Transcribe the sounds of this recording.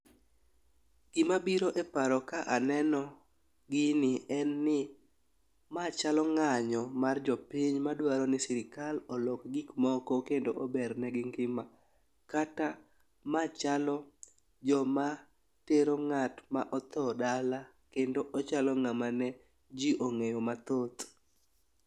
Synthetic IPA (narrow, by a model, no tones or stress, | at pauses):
ɡ̥ɪmabiɾoʔepaɾɔkaʔanɛnɔ | ɡɪnɪɛnːɪ | mat͡ʃalɔŋaɲɔmard͡ʒɔpiɲmadwaɾɔnɪsɪɾɪkalɔlɔkɡikmɔkɔkendoʔɔbɛrnɛɡɪŋɡɪma | kata | mat͡ʃalɔ | d͡ʒɔma | teɾoŋatmaʔɔt̪ɔdala | kendoʔɔt͡ʃalɔŋamanɛ | d͡ʒiʔoŋejomat̪ot̪